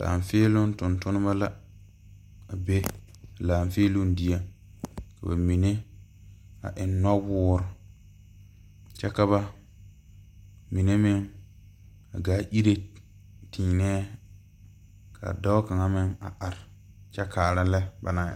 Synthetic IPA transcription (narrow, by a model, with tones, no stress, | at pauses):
la̰ː˨ɱ˨feː˦lʊ˦n˦tʊ˨ntʊ˦nʊ˦ba˦la˦ | a˨be˦˨ | laː˨ɱfeː˦lʊ˦n˦di˦a˦˨ | ka˨ba˨mi˨ne˦ | a̰˨ʔɪ˨˦nːɔ˦wʊː˦ɾʊ˨ | t͡ʃɛ˦ka˦βa˦ | mi˨ne˦mɪ˦ŋ | a˨ɡaː˦ʔi˦ɾe˦ | tʰĩː˨nɛː˦ | kʰa̰˨da˦ʊ˦ka˨ŋa˦mɪ˦ŋa̰˨ʔa˨ɾɪ˨ | t͡ʃɛ˦kaː˨ɾa˦lɛ˦ba˨na̰˦˨